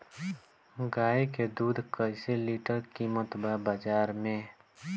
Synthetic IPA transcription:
ɡaːeked̪uːd̪ʱkəɪseliːʈəɾkiːmət̪babaːd͡ʒaːɾmẽː

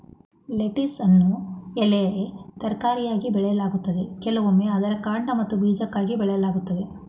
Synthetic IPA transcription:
leʈisɐnːuɛlɐjɐet̪ɐɾkaːɾijaːɡibɛɭɛjɐlaːɡut̪ːɐd̪e̞kɛlɐʋomːeɐd̪ɐɾɐkaːɳɖɐmɐt̪ːubiːd͡ʒɐkːaːɡibɛɭɛjɐlaːɡut̪ːɐd̪e̞

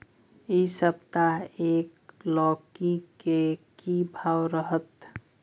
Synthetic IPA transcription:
isəbt̪aeːklɔːkikekibʱaːwɾəɦət̪

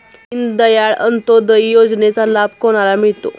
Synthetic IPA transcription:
ind̪əjaɭə̰nt̪od̪əjjod͡znet͡salab̚koɽ̃alamiɭt̪o̰

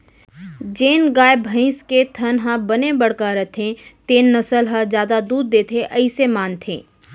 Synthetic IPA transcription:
d͡ʒeːnɡaːebʱɐ̃ɪ̃sket̪ʰɐnɦãbɐnebɐɽ̤kaɾɐt̪ʰẽt̪eːnːɐsəlɦad͡ʒjaːd̪ad̪uːd̪̚ːeːt̪ʰeʔɐisemaːnt̪ʰḛ̃ː

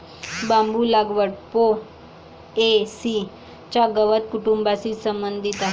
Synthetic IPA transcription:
bãmbulaɡʋəɽpo | esi | t͡ɕaɡəʋət̪̚kuʈumbasiːsəmbənd̪ʱit̪aɦ

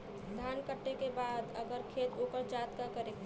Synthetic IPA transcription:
d̪ʱaːnkəʈːekebaːd̪əɡəɾkʰeːt̪oːkəɾt͡ʃaːt̪kakəɾe

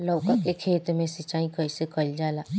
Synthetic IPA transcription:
lɐwkəkekʰeːt̪mẽsɪt͡ʃaːĩkɐisekɐld͡ʒaːlaː

